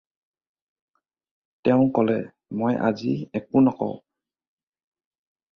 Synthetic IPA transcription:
tɛʊ̃kɔlɛ | mojʔa̰ziɛk̚unɔkɔ̰ʊ

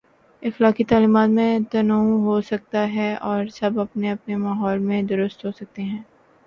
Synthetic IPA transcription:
ɪxlaːkit̪aːliːmaːt̪mẽt̪ɐnuɦosɐk̚t̪aɦɛɔːɾsɐbɐpneɐpnemaːɦɔːlmẽd̪ʊɾʊst̪ɦoːsɐk̚t̪eɦɛ̃ː

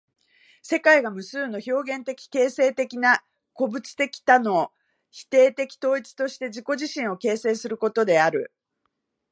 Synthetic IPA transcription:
se̞kaiɡamɯ̟sɨːno̞ço̞ːɡẽ̞nt̪e̞kʲi̥ke̞ːse̞ːt̪e̞kʲina | ko̞bɯ̟t͡sɨ̥t̪e̞kʲi̥t̪ano̞ | çi̥t̪e̞ːt̪e̞kʲi̥t̪o̞ːit͡sɨ̥t̪o̞ɕi̥t̪e̞ʑiko̞ʑiɕĩɰ̃o̞ke̞ːse̞ːsɨɾɯ̟ko̞t̪o̞d̪e̞aɾɯ̟

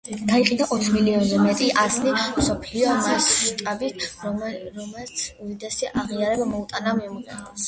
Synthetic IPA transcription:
d̪̥aiqʼind̪aʔɔt̪ʰχmiliɔnzɛmɛt̪ʼiʔaznimsɔpʰliɔmasʃt̪ʼabi | mɛlt̪sʰudid̪ɛsiʔaʁiaɾɛbamɔut̪ʼanamɛmuʁɛ̰

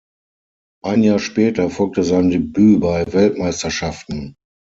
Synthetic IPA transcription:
ʔaɪnjaːɐʃpɛːtɐfɔlk̚təzaɪndebyːbaɪvɛltmaɪstɐʃaftn̩

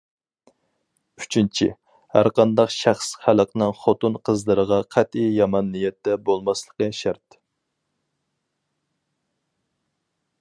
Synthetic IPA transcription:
y̥t͡ʃʰint͡ʃʰḭ | hæ̰ɾqɑnd̪ɑqʃæχsχæləqnɨŋχot̪unqʰəzlˠəɾəʁɑqʰæt̪ijjɑmɑnːijɛt̪ːɛbolˠmɑslˠəqəʃæɾt̪

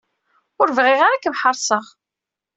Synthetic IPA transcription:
ʊɾvʁɪʁaɾakmħəɾˤsˤəʁ

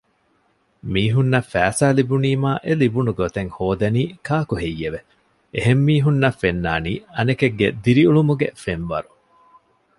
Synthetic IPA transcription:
miːɦunːɐfæːsaːlibuniːmaːʔelibunuɡot̪eŋhoːd̪ɐniːkaːkuɦejːeʋe | eɦemːiːɦunːɐfenːaːniːɐnekeɡːed̪iɾiuɭumuɡefenʋɐ̰ɾu

